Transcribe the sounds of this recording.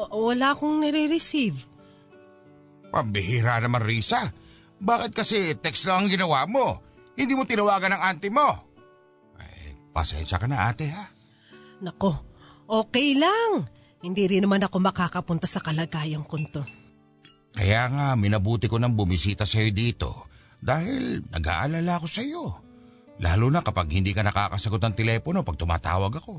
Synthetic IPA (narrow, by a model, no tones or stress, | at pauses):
wɐlaʔɐko̞ŋnɛɾɛɾɛsiv | pɐ̰mbɪhiɾanɐmaŋɾiːsɐ | baːkɪt̪̚kɐsɛt̪ɛkslɐŋɐŋɡɪnɐwaʔmo̞hɪnd̪iːmot̪ɪnɐwaːɡɐnɐŋant̪ɪmo̞ | ʔɐ̰jpɐ̰sɛ̰nʃɐkɐnɐʔa̰ːt̪ɪha | nɐko̞ʔo̞ːkɛjlaŋ | hɪnd̪iːɾɪnɐmanɐko̞mɐkaːkɐpʊnt̪asɐkɐlɐɡaːjɐŋkont̪o̞ | kɐjaːŋamɪnɐbuːt̪ɪkonɐŋbʊmɪsiːt̪ɐsɐjo̞d̪iːt̪o̞̰ | d̪aːhɪlnɐ̰ɡa̰ːʔɐlaːlaɐko̞sɐjo̞ | lʔa̰ːlunɐkɐpaɡhɪnd̪iːkɐnɐka̰ːkɐsɐɡo̞t̪nɐŋt̪ɛlɛːpono̞pɐɡ̚t̪ʊma̰ːt̪a̰ːwɐɡɐko̞